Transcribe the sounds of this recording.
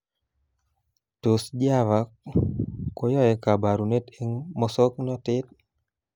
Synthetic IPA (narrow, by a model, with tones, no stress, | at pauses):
to˨sd͡ʒa˦va˨ | ko˦jɔ˦jɛ˨ka˨ba˨ɾu˨ne˦te˦ŋmɔ˦sɔ˦knɔ˦tɪ˦t̚